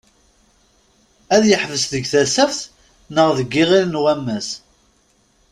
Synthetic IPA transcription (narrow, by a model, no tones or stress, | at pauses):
æðjəħvəsðəɡθæsæfθ | nəʁðəɡːiʁilnwæmːæs